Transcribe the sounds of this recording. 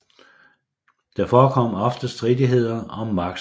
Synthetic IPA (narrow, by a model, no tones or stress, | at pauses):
d̥ɑ̈fɒːkʰɒ̽m̰ɒ̽fd̥əsd̥ʁidiɦe̝ð̞̰ˠɐɒ̽mːɑ̈ɡ̥̚